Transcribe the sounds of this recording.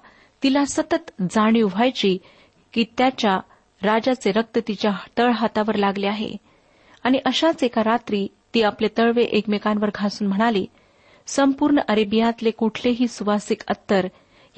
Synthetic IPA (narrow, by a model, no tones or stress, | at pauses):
t̪ilasət̪ət̪d͡zaɽ̃iuʋajt͡ɕiː | kiːt̪jat͡ɕja | ɾad͡ʑat͡seɾək̚t̪ət̪it͡ɕjat̪əɭɦat̪aʋəɾlaɡleaɦḛ | aɽ̃iʔəɕat͡sekaɾat̪ɾiː | t̪iːaplet̪əɭʋeʔekmekanʋəɾɡʱasuːnm̤əɽ̃ali | səmpuːɾɳəʔəɾibijãt̪lekuʈʰleɦiːsuʋasikə̰t̪ːəɾ